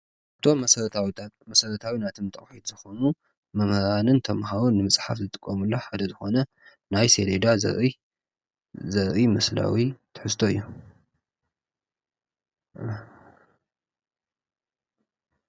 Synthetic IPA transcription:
ʔɨt̪ʰo̞mɐɾwmɐsɐɾɐt̪ʰawinat̪ʰɨmt̪ʰʼɐχʼħit̪zɨxo̞nu | mɐmhɾanɨnt̪ʰɐmɦawonːɨmɨsʼħafzɨt̪ʼɨkʼːɐmulːoħad̪ɐzɨxo̞nɐ | najseled̪azɐ̰ɾʔi | zɐɾʔimɐsla̰wit̪ʰɨ̥ħɨst̪ʰo̞ɨ̰jːo

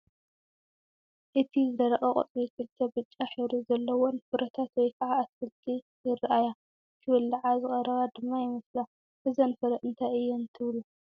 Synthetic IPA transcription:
ʔɨt̪ʰizɨd̪ɐɾɐxʼɐkʼo̰t͡s̪ʼikʰɨlt̪ʰɐbɨt͡ʃʼːaħɨɾuzɐlːɐwonfɨɾʔɐt̪ʰat̪wɔjkʰɐʕaːsfɨlt̪ʰi | jɪrʔaja | kʰɨwɐlːɐʕazɨxʼɐɾɐβad̪ɨmːajɪmɐsla | bɨzɐnfɐɾɐʔɨnt̪ʰajɨjːɛnt̪ʰɨβlu

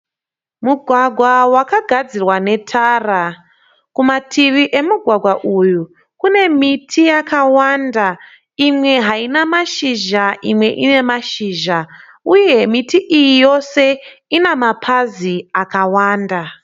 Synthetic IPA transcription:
muɡʱwaɡʱwawakaɡʱad͡zirwane̞tʰaːra | kumatʰiʋiʔe̞muɡʱwaɡʱwaʔuju | kune̞mitʰijakawaːnda | imwe̞ɦainamaʃiʒaʔimwe̞ʔine̞maʃiːʒa | uje̞mitiʔijijo̞se̞inamapʰaziakawaːnda

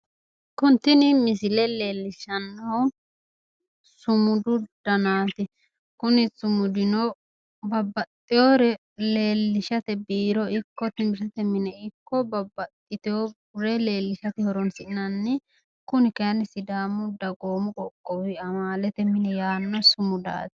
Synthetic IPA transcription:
kʊnt̪ːɪnɪmɪs̬ɪlɛle̞ːlːɪʃɐnːɔ | sʊmʊd̪ʊd̪̥ɐnaːt̪ɪ | kʊnɪt͡sʊmʊd̪ɪnɔ | bɐbːɐt̪ʼːɪjoɾɛ | leːlːɪʃɐt̪ɛbiːɾɔɪkːɔt̪ɪmɪʃɐt̪ɛmɪnɛɪkːɔbɐbːɐt̪ʼːɪt̪ɪɔ | ɾɛle̞ːlːɪʃɐt̪ɪhɔɾɔnsɪʔɪnɐnːɪ | kʊnɪkɛɐnɪsɪd̪aːmʊd̪ɐɡoːmʊkʼɔkʼːɔwɪɐmaːlɛt̪ɛmɪnɛjaːnːɔsʊmʊd̪a̰ːt̪ɪ̥

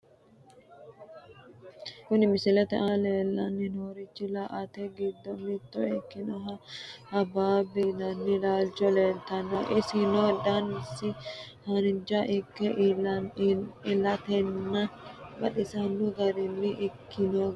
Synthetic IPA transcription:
kʊnɪmɪsɪlɛt̪ɛʔaleːlːɐnːɪnoːɾɪt͡ʃːɪlɐʔɐt̪ɛɡɪd̪ːɔmɪt̪ːɔɛkːɪnɔɦɐhɐbaːbinɐnːɪlaːlt͡ʃɔleːlt̪ɐnɔʔɪsɪnod̪ɐnɪsːɪhɐnɪnd͡ʒɐʔɪkːɛ | ɪlɐt̪ɛnːɐbɐɗɪsɐnːʊɡɐɾɪnːɪʔɪkʰːɪno

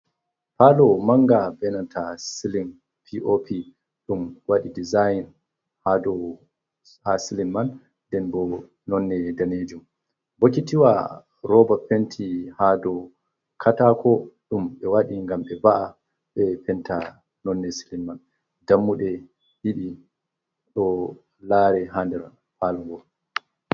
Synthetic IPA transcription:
palɔmaŋɡabɛnantʰasilin | pʰiʔopʰi | ɗumwaɗidizajin | hadɔ | hasilinman | dɛnbɔ | nɔnːɛdaned͡ʒum | bokitiwa | ɾɔbapɛntʰihadɔ | kʰatakʰɔɗumɓɛwaɗiŋɡamɓɛvaʔa | ɓɛpɛnta | nɔnːɛsilimːan | damːuɗɛ | hiɗi | ɗɔ | laːɾɛɦandɛɾ | faːlɔŋɡɔl

